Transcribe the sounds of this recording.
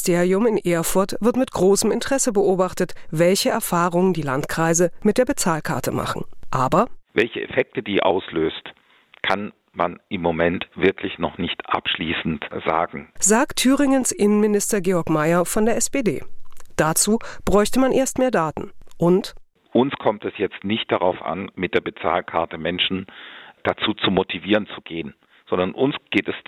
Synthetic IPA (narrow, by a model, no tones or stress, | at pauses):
stʰeːʁiʊmɪnʔeːɐfʊɐtv̥ɪɐtmɪtɡ̥ʁoːsəmɪntəʁ̥ɛsəbəʔoːbaχtətv̥ɛlçəɛɐfaːʁ̞ʊŋəndiːlantkʁ̥aɪzəmɪt̚d̥eːɐbət͡saːlkʰa̰ɐtəma̰χn̩ʔaːbɐvɛlçəʔɛ̰fɛk̚tədiːʔa̰ʊsløːst | kʰan | ma̰nʔɪmːomɛntv̥ɪɐklɪçnɔ̰χnɪçtʔa̰pʃliːsn̩tz̥a̰ːɡŋ̩z̥aːktʰːyːʁɪŋənsʔɪnənmɪnɪstɐɡeːɔɐkmaɪɐfɔndeːɐɛspeːdeːd̥at͡suːb̥ʁɔʏçtəmanʔeːɐstmeːɐdaːtn̩ʔʊnt | ʔʊnskʰɔmtɛsjɛt͡stnɪçt̚d̥aʁaʊfʔa̰nmɪt̚d̥eːɐbət͡sa̰ːlkʰaɐtəmɛnʃn̩d̥at͡suːt͡sumotʰiviːʁənt͡suɡ̥eːən | z̥ɔndɐnʔʊnsɡ̥eːtɛs